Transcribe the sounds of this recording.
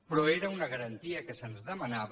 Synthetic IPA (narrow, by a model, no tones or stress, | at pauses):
pɾɔeɾəunɐɣəɾənt̪iəkəsənzðəmɐnaβ